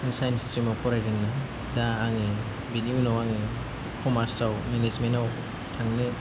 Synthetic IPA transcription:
sajnstɾimɔpʰɔɾajɾiŋna | daːŋe | biniunawaŋe | kʰɔmaɾsawmenezmenaw | tʰaŋne

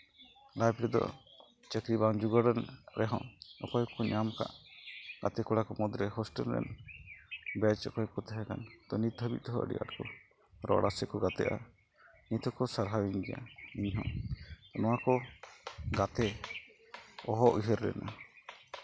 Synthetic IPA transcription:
lajbɾɛd̪ɔ̰ | t͡ʃəkɾibaŋd͡ʒuɡɔɾɛnɾɛɦɔ̰̃ɔkɔjkɔɲamka̰ʔɡ̥at̪ɛkuɽakɔmɔd̪ɾɛɦɔsʈəlɾɛ̰n | bɛt͡ʃɔkɔjkɔt̪ɛɦɛ̃kant̪ɔnit̪̚ʰəbḭt̪̚t̪ɔɦɔʔə̰ɖḭʔa̰ʈkɔ | ɾɔ̰ɽasɛkɔɡat̪ɛ̰ʔa̰ | nit̪ʰɔkɔsaɾɦawiŋɡɛja̰iɲɦɔ̰̃t̪ɔnɔwakɔ | ɡat̪ɛ | ɔɦɔʔiɦəɾlɛ̰nʔa

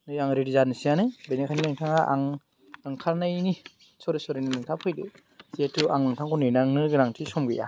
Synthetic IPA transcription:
nɯjaŋɾiɾizanisijanɯbenekʰaninaŋtʰaŋaʔa̰ŋ | nɯŋkʰaɾnajni | sɔɾisɔɾinɯnɯŋtʰapʰɯjdɯ | sietuaŋnɯŋtʰaŋkɔnɯjnaŋnɯɡɯɾaŋtʰisɔmɡɯja̰

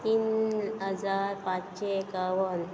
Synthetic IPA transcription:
t̪iːnɦəd͡zaɾpãt͡sɕekaʋən

